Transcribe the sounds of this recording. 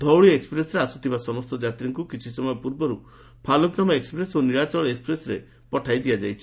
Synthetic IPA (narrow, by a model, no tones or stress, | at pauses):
d̪ʱɔwɭiekspɾesɾeasut̪ʰibasɔmɔst̪ɔd͡ʒat̪ɾiŋkukit͡ʃʰisɔmɔjɔpuɾbɔɾu | pʰalɔknamaekspɾesoniɾat͡ʃɔɭekspɾesɾḛ | pɔʈʰajd̪iad͡ʒajt͡ʃʰi̥